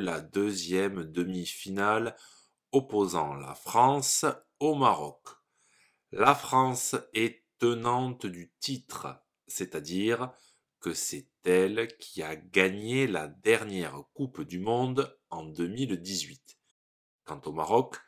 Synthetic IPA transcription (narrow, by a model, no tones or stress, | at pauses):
lad̪øzjɛmd̪əmifinal | ɔpozɑ̃la̰fχɑ̃s | omaʁɔk | lafχɑ̃sɛt̪ənɑ̃t̪əd̪yt̪it̪χə | sɛt̪ad̪iʁ | kəsɛt̪ɛlkʲʰiaɡaɲelad̪ɛʁnjɛʁkupd̪ymɔ̃d̪ | ɑ̃d̪əmild̪izɥit̪ | kɑ̃t̪omaʁɔk